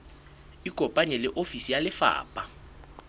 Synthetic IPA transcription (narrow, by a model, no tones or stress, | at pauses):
iɡ̥ʱɔpʼaɲɛlɪʔofisijalɪfa̰ːpʼa